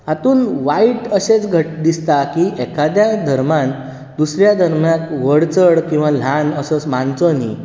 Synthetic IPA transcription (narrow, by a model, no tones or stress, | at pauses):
at̪uːnʋaiʈəɕet͡sɡʱəʈ̚d̪ist̪akiʔɛkad̪jad̪ʱəɾmãn | d̪usɾjad̪ʱəɾmjãkʋəɽt͡səɽkĩw̃ʋal̤anəsət͡smãnt͡sənḭ